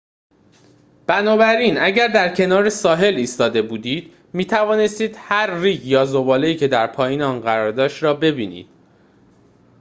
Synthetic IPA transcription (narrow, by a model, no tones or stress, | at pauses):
b̥ænɒːbæɾiːnæɟæɾd̪æɾcʰe̞nɒːɾesɒːɦe̞liːst̪ɒːd̪e̞buːd̪iːd̪̥ | miːt̪ʰævɒːne̞st̪iːd̪̥hæɾːiːɟjɒːzo̞bɒːle̞iːcʰe̞d̪æɾpʰɒːjiːneɒːnɢæɾɒːɾd̪ɒːʃɾɒːbe̞biːnḭːd̪̥